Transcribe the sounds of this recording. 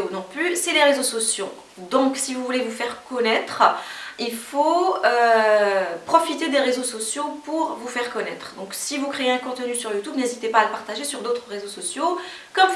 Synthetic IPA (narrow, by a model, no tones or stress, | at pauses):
unɔ̃plysɛleʁezosɔsjo | d̪ɔ̃ksivuvulevufɛʁkɔnɛt̪χilfoø | pχɔfit̪ed̪eʁezosɔsjopuʁvufɛʁkɔnɛt̪χd̪ɔ̃ksivukχeeɛ̃kɔ̃t̪nysyʁjut̪ubnezit̪epaːləpaʁt̪aʒesyʁd̪ot̪χʁezosɔsjo | kɔm